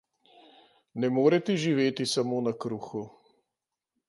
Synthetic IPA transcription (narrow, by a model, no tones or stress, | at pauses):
nɛmoːɾɛt̪ɛʒiʋeːt̪isamoːnakɾuːxu